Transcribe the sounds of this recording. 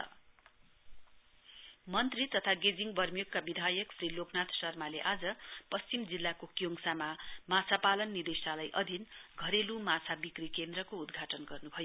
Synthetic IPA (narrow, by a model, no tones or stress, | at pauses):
mʌnt̪rit̪ʌt̪ʰaɡed͡ziŋbʌrmjokːabid̪ʱajʌkpʰriloknat̪sʌrmaleʔad͡zʌpʌst͡ɕimd͡zilːakokjoŋsamamat͡sʰapalʌnːid̪esalajʔʌd̪ʱinɡʱʌɾelumat͡sʰabikrikend̪rʌkoud̪ɡʱaʈʌnɡʌrnubʱʌjo